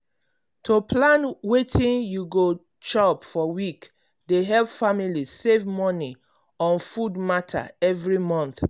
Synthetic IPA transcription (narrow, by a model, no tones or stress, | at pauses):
tʰoplãnwetĩnjuɡo | t͡ʃɔpfɔwik | deɦɛlvfamilisevmɔni | ɔ̃nfudmatʰa̰ɛvɹimɔ̃nθ